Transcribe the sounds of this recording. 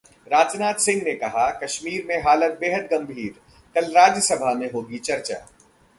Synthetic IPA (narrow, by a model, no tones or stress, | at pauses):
ɾaːd͡ʒnaːt̪sɪ̃ŋɡnekɐɦakɐʃmiːɾmẽɦaːlət̪̚beːɦəd̪ɡɐ̃mbʱiːɾ | kɐlɾaːd͡ʒəsɐbʱamẽɦoːɡit͡ʃɐɾt͡ʃa̰ː